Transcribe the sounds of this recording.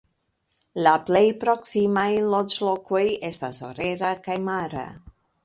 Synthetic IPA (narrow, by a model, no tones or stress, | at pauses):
laplejpɾo̞ksimajlot͡ʃloko̞jestaso̞̰ɾe̞ɾakajmaɾa̰